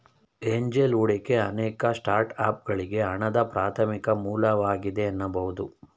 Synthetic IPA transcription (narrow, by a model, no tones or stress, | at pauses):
eɲd͡ʒeluɽekeɐnɛːkɐsʈaːɾʈaːp̚ɡɐɭiɡe̞ɐɳɐd̪ɐpɾaːt̪ʰɐmikɐmuːlɐʋaːɡid̪e̞ɐnːɐbɐɦud̪u